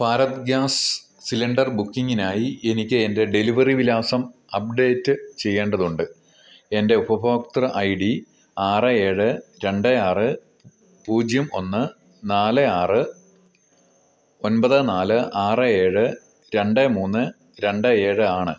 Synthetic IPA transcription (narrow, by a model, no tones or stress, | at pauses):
paːɾɐt̪ɡjaːs | silɐɳɖɐrbukːiŋːinaːjie̞nikʲːɨende̞ɖe̞liʋɐriʋilaːsɐmɐp̚ɖe̞ːtːɨt͡ɕe̞jːe̞ːɳɖɐðuɳɖɨ | e̞nde̞ubɐbʱoːkt̪rɐʔɐjɖi | aːrɨe̞ːɻɨɾe̞ɳɖɨaːrɨ | puːd͡ʑjɐmo̞nːɨ | naːlɨaːrɨ | o̞nbɐðɨnaːlɨʔaːrɨe̞ːɻɨ | ɾe̞ɳɖɨmuːnːɨ | ɾe̞ɳɖɨe̞ːɻɨaːɳɨ̰